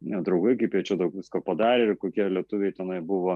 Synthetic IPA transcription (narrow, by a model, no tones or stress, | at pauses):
nʲɛd̪ɾɐʊɡɐɪkɐɪpjiɛt͡ʃʲɛd̪ɐʊkʋʲɪskoːpɐd̪ɑːɾʲeːɪkoːkʲiɛlʲiɛt̪ʊʋʲɛjt̪ʲɛnɐɪbʊʋoː